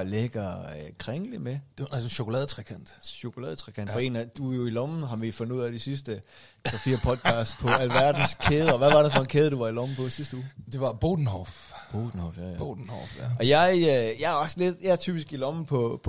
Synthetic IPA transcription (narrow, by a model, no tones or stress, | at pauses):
leɡ̥ɐkʰʁɛŋlime̥æsɕo̝kʰolɛːðˠt͡sʰʁakʰæn̰d̥ɕo̝kʰo̝lɛ̰ːð̞ˠət͡sʰʁakʰændfɒe̝næd̥ujo̝ilɒmn̩ɦɑ̈ʋifɔ̽nduð̰ˠæd̥isis̬d̥ə | t͡sɒfḭːɐpʰɒ̽d̥̚kʰɑ̈ːsd̥pʰɒ̽ælʋæɐd̥n̩skʰeːð̞̩ˠəɒʋæʋɑ̈ɾ̥efɒ̽e̝nkʰeːðˠəd̥uʋɑ̈ilɒm̩pʰɒ̽isisd̥əuːd̥e̝ʋɑ̈b̥oːd̥n̩hɒ̰f | b̥o̝̰ːd̥n̩hɒfjæbod̥n̩hɒ̰fɒjɑ̈ɪjɑ̈ɪæɐɒ̽sle̝d̥jɑæɐt͡sʰy̰ːb̥isɡ̥ilɒ̽m̩pʰɒ̽pʰ